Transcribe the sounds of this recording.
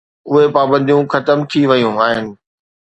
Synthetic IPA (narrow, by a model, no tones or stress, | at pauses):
ʊɦepaːbə̃nd̪ijũxɐt̪əmt̪ʰiʋɐjũaːɦɪnɪ̆